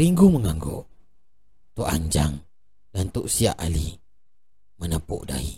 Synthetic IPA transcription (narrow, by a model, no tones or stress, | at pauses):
ɾiŋɡuməŋaŋɡɔ̰ʔ | t̪uʔa̰ɲd͡ʒa̰ŋ | dant̪uʔsia̰ʔali | mənəpṵʔda̰ḭ